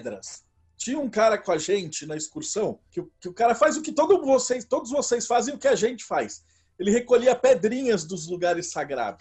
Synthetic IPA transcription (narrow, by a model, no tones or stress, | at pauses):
d̪ɾɐ̰s | t͡ʃĩɲɐũkaɾɐkõɐʒẽnt͡ʃɪnɐɪskuɾsɐ̃w̃kɪʊkɪʊkaɾɐfajzʊkɪt̪od̪ʊvosejst̪od̪ʊzvosejsfazẽj̃ʊkɪaʒẽnt͡ʃɪ̥fajs | elɪhekoʎiɐped̪ɾĩɲɐzd̪ʊzluɡaɾɪsːaɡɾa̰vʊ